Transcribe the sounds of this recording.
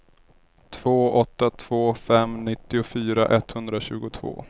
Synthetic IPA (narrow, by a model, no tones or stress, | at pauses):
t̪ʰv̥oːɔt̪ːat̪ʰv̥oːfɛmnɪt̪ːɪʊfyːɾa̰ʔɛt̪ːhɵnd̪ɾaɕʉ̟ːɡʊt̪ʰvo̰ː